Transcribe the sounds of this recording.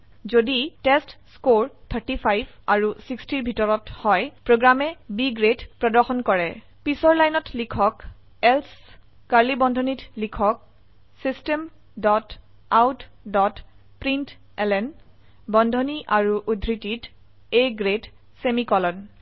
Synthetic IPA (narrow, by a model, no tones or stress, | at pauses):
zoditestskoɹt̪ʰəɹtipʰajbʱaɹusikstiɹbʱitɔɹɔthɔjpɹoɡɹamɛbiɡɹedpɹɔdɔɹxɔnkɔɹɛ | pisɔɹlajnɔtlikʰɔk | ɛls | kaɹlibɔndʱɔnitlikʰɔk̚ | sistem | dɔt | awtdɔt | pɹint | ɛlɛn | bɔndʱɔniʔaɹuʔudʱɹitit | eɡɹet | semikɔlɔn